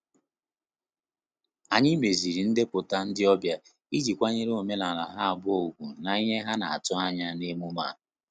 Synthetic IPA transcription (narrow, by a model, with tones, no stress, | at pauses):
a˨ɲɪ˦me˨zi˨ɾi˨n̩˦de˦pʊ˨ta˦n̩˦dɪ˦ɔ˦bja˦ | i˦d͡ʒi˨kʷa˦ɲe˦ɾo˨me˦na˨la̰˨ɦa˦a˨bʊ˦o˨ɡʷu˨na˨i˦ɦe˦ɦa˦na̰˨a̰˨tʊ˦a˦ɲa˦ne˦mu˦ma̰˦˨